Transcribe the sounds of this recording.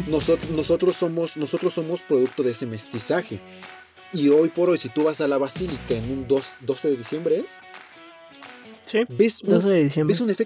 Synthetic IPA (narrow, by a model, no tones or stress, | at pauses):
nosonoso̞t̪ɾo̞sːo̞mo̞sno̞so̞t̪ɾosːo̞mo̞spɾo̞ðuk̚t̪o̞ðeesemest̪isaxe̞̰ | io̞jpo̞ɾo̞jsit̪uβasalaβasilikaenũnd̪osd̪o̞se̞ðeðisje̞mbɾees | sibe̞suoseðeðisjembesunefek